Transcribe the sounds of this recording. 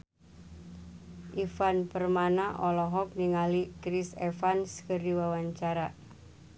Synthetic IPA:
ʔifanpərmanaʔɔlɔɦɔk̚niŋalikɾisefanskəɾiwawaɲt͡ʃaɾa

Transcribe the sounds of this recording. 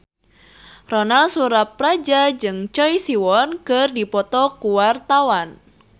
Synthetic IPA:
rɔnalsuɾap̚rad͡ʒad͡ʒɨŋt͡ʃɔisiwɔnkɨrdipɔt̪ɔkuwart̪awan

